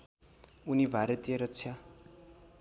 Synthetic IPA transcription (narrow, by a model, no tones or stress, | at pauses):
unibʱaɾʌt̪ijʌɾʌtt͡sʰja